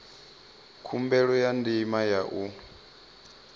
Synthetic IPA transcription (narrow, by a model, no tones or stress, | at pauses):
kʰumbɛɺɔjandimajaʔu